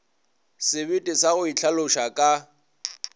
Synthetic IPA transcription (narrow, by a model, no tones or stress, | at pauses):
sɪβɪtʼɪsaɣʊit͡ɬʰalʊʃakʼa